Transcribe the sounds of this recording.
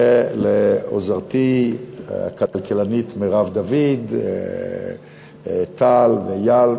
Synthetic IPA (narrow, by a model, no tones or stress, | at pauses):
eleo̰zaʁt̪i | a̰kalkelanit̪meʁavd̪avid̪ | t̪ʰalvejal